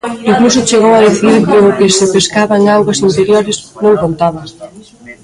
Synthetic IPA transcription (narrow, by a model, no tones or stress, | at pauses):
iŋklusʊt͡ʃeɣowɐðeθiiɾpoɾʊkɪsɪpeskaβaŋawɣɐsint̪eɾjoɾɪsnõŋkont̪aβɐ